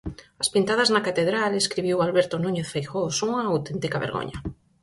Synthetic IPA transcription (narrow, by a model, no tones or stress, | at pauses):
ɐspint̪aðaznɐkat̪eðɾaleskɾiβiwalβɛɾt̪onũɲeθfejxosuŋɐawt̪ent̪ikaβḛɾɣo̰ɲɐ̰